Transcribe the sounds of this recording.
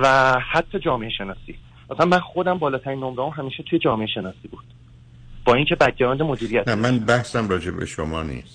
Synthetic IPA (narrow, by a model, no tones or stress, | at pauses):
væhæt̪ʰːɒːd͡ʒɒːme̞eʃe̞nɒːsḭː | ɒsænmænxo̞d̪æmbɒːlɒːt̪ʰæɾiːnːomɾɒumɦæmiːʃet̪ʰujed͡ʒɒːmeeʃe̞nɒːsiːbuːd̪̥ | b̥ɒːiŋcʰe̞bæd̪̚ɟæɾɒːnd̪emod̪iːɾijæt̪næmænbæhsæmɾɒːd͡ʒebḛʃomɒːnḭːst̪